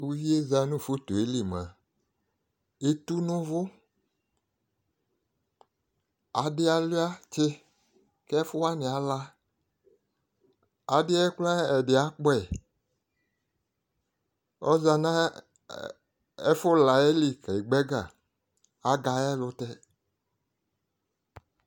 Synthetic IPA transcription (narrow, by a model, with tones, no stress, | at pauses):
wu˦vi˦e˦za˨nũ˦˨fo˦t̪o˨e˨˦li˨m˨ã̰˨ | e˦t̪u˦nʊ̃˦vʊ˦ | a˨dɪ˦a˨li˦a˦t͡ʃe˦ | kɛ˦fʊ˦a˦nĩ˨a˨˦la˦ | a˨dɪ˦ɛ˦kla˦ɛ˨dɪ˨a˦k͡pɔ˦ɛ˨ | ɔ˦za˨nã˦ | ɛ˦fʊ˦la˨e˦li˨kɛ˨i˨ɡ͡bɛ˦ɡa˨ | a˨ɡa˨ɛ˦˨lʊ˨t̪ɛ˦